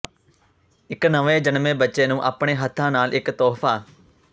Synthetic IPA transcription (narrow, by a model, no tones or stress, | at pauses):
ɪknəʋeːd͡ʒənmẽːbətːʃeːnũːʔaːpɳ̃eːɦət̪ʰːãːnaːlʔɪkt̪ɔːfʰaː